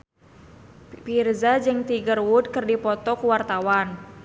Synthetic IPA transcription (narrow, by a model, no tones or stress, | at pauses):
pirzad͡ʒɨŋt̪iɡərwud̚kɨrdipɔt̪ɔkuwart̪awan